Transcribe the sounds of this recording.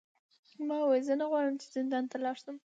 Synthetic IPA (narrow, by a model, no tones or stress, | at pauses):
mɑwajzənəɣwɑɽəmt͡ʃɪ̥zɪnd̪ɑnt̪əɾlɑʂd̪əm